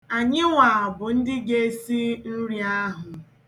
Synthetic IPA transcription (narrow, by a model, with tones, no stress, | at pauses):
a˨ɲɪ˦ŋʷa˨a˨bʊ˨n̩˦dɪ˦ɡe˦si˦n̩˦ɾja˦ɦʊ˨